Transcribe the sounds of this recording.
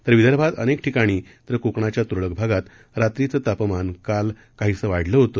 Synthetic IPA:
t̪əɾʋid̪əɾbʱat̪ə̰nekʈʰikaɽ̃iːt̪əɾkukɳat͡ɕjat̪uɾɭək̚bʱaɡat̪ | ɾat̪ɾit͡sət̪apəmankal | kaɦiːt͡səʋaɽ̤ləɦot̪o

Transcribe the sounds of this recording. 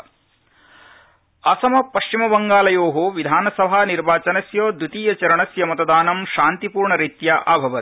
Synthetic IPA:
ɐsɐmɐpɐʃt͡ʃimɐbɐŋɡaːlɐjoːɦoʋid̪ʱaːnɐsɐbʱaːniɾbaːt͡ʃɐnɐsjoːd̪ut̪iːjɐt͡ʃɐɾɐɳɐsjɐmɐt̪ɐd̪aːnɐmʃaːnt̪ipuːɾɳɐɾit̪jaʔaːbʱɐʋɐt̪

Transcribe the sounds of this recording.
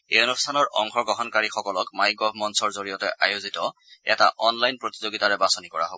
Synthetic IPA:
eonustʰanɔɹʔɔ̰ŋxɔɡɔɦɔnkaɹixɔkɔlɔkmajɡɔɦmɔnsɔɹzoɹijɔtɛʔajozitɔ | ɛtaʔɔnlajnpɹotizoɡitaɹɛbasonikɔɹa̰ɦobɔ

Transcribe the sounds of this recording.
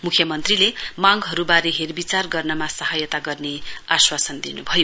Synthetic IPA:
mukʰjʌmʌnt̪rilemaŋɦʌɾubaɾeɦerbit͡sarɡʌrnʌmasʌɦʌjʌt̪aɡʌrneaswasʌnd̪inubʱʌjo

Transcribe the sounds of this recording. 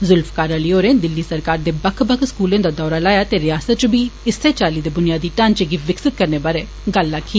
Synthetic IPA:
zʊlfkaːɾaliːoːɾẽːd̪ɪlːiːsəɾkaːɾd̪eːbəkʰbəkʰskuːlẽːd̪aːd̪ɔːɾaːlaːjaːt̪eːɾɪjaːsət̪̚t͡ʃbiːɪsːeːt͡ʃaːliːd̪eːbʊnɪjaːd̪iːʈaːnt͡ʃeɡiːʋɪksɪt̪̚kəɾneːbaːɾeː | ɡəlːaːkʰiː

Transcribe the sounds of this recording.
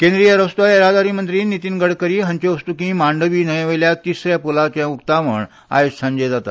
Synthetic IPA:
kẽnd̪ɾijəɾəst̪uaeɾad̪aɾiːmənt̪ɾiːnːit̪iːnɡəɽkəɾiːɦə̃ɲt͡ɕeəst̪ukĩmaɳɖəʋiːnəjẽʋəjljat̪isɾjapolat͡ɕaukt̪aʋəɳ | a̰jessãɲd͡ʑed͡zat̪a̰

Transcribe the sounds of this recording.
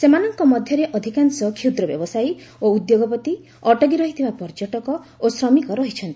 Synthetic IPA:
semanɔŋkɔmɔd̪ʱjɔɾeʔɔd̪ʱikansɔkʰud̪ɾɔbjɔ̰bɔsajoud̪joɡɔpɔt̪i | ɔʈɔɡiɾɔɦit̪ʰibapɔɾd͡ʒɔʈɔkɔosɾɔmikɔɾɔɦit͡ʃʰɔnt̪i̥

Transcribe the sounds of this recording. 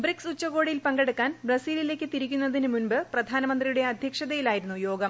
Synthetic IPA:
briksut͡ɕːɐɣo̞ːɽijilpɐŋɡeɽukːaːnbrɐsiːlile̞ːkʲːɨt̪iɾikʲːunːɐðinɨmunbɨprɐd̪ʱaːnɐmɐnd̪rijuɽe̞ɐd̪ʱjɐkʂɐðɐjilaːjiɾunːujo̞ːɡɐm

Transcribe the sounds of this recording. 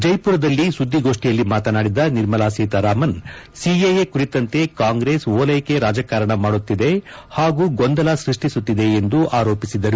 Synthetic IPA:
d͡ʒɐjpuːɾɐd̪ɐlːisud̪ʱːiɡo̞ːʂʈijɐlːimaːt̪ɐnaːɽid̪ɐniɾmɐlaːsiːt̪ɐɾaːmɐnsiejekuɾit̪ɐnt̪e̞kaːŋɡɾe̞ːsoːlɐjke̞ɾaːd͡ʒɐkaːɾɐɳɐmaːɽut̪ːid̪e̞haːɡuːɡond̪ɐlɐsɾiʂʈisut̪ːid̪e̞ːnd̪uʔaːɾo̞ːpisid̪ːɐɾu

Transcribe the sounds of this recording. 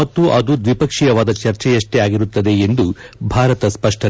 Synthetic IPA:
ɐt̪ːuʔɐd̪ud̪ʋipɐkʂijɐʋaːd̪ɐt͡ʃɐɾt͡ʃɛjɐʂʈeaːɡiɾut̪ːɐd̪e̞end̪ubʱaːɾɐt̪ɐspɐʂʈʰɐ

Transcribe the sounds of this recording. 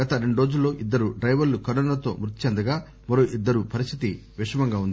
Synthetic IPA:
ɡɐt̪ɐɾe̞ɳɖuɾoːd͡ʒulːo̞ːʔid̪ːɐɾuɖɾɐjʋɐɾlukɐɾɔnaɐt̪o̞̰ːmɾut̪ːit͡ʃɛnd̪ɐɡaː | mɐɾoːʔid̪ːɐɾupɐɾist̪ʰit̪i | ʋiʂɐmɐŋɡaːund̪i

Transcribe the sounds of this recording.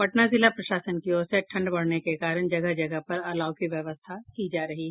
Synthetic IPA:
pɐʈnazɪlapɾɐʃaːsənkioːseʈʰɐ̃ɳɖbɐɽ̤nekekaːɾənd͡ʒɐɡəɦd͡ʒɐɡəpɐɾɐlaːwkiʋjɐʋəst̪ʰakid͡ʒaːɾɐɦiɦɛ

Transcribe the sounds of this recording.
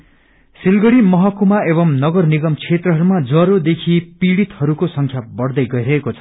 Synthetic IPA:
silɡʌɽimʌɦʌkumaebʌmnʌɡʌrniɡʌmt͡sʰet̪rʌɦʌɾumad͡zʌɾod̪ekʰipiɽit̪hʌɾukosʌŋkʰjabʌɽd̪ʌjɡʌjɾʌɦekot͡sʰʌ̥

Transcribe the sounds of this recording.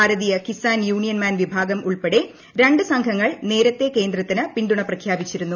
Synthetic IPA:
aːɾɐðijɐkisaːnjuːɳijɐnmaːnʋibʱaːɡɐmʔuɭpeɽe̞ | ɾe̞ɳɖɨsɐŋkʰɐŋːɐɭne̞ːɾɐt̪ːe̞ke̞ːnd̪rɐt̪ːinɨpiɳɖuɳɐprɐkʰjaːbit͡ɕːiɾunːu

